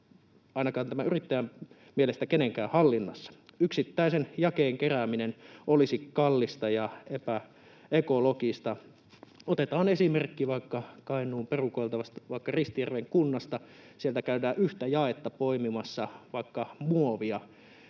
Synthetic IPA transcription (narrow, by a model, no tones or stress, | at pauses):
ɑˑinɑkɑːnt̪æmæyrit̪ːæjæm | mielest̪ækeneŋkæːhɑlːinːɑ̰sːɑ̥yksit̪ːæisenjɑkeːŋkeræminenʔolisikkɑlːist̪ɑjɑepæ | ekolokist̪ɑ | ot̪et̪ɑːnesimerkːiʋɑikːɑkɑinˑuːmperukoilt̪ɑʋɑst̪ɑʋɑikːɑrist̪ijærʋeŋkunːɑst̪ɑsielt̪ækæydæːʔyht̪æjɑet̪ːɑpoimimɑsːɑʋɑikːɑmuoʋiɑ